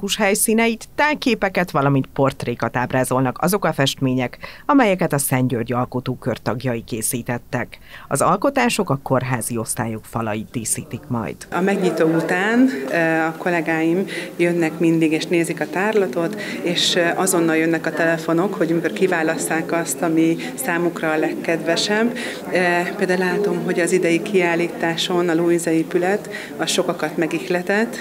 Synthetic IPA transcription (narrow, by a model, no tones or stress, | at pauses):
kuʃhɛjsiːnɛjit̪ːaːjkeːpɛkɛt̪ʋɒlɒmint̪po̞rt̪reːkɒt̪aːbraːzo̞lnɒkɒ̰zo̞kɒfɛʃt̪meːɲɛkɒmɛjɛkɛt̪ɒsɛɲɟørɟɒlkot̪oːkørt̪ɒɡjɒjikeːsiːt̪ɛt̪ːɛkɒ̰zɒlko̞t̪aːʃo̞kɒko̞rɦaːzio̞st̪a̰ːjokfɒlɒjit̪̚d̪iːsiːt̪ikmɒ̰jd̪̥ɒmɛɡɲit̪oːut̪aːnɒko̞lɛɡaːjimjønːɛkmind̪iɡeːʃneːzikɒt̪aːrlɒt̪o̞t̪eːʃʔɒzo̞nːɒljønːɛkɒt̪ɛlɛfo̞no̞kho̞ɟmikorkivaːlɒst̪aːkɒst̪ɒmi | saːmukrɒlɛkːɛd̪vɛʃɛbː | peld̪aːlaːt̪o̞mɦo̞ɟɒzid̪ɛjikʰiaːlːiːt̪aːʃo̞nɒluːinzɛeːpylɛt̪ | ɒʃo̞kɒkɒt̪mɛɡixlɛt̪ɛt̪ː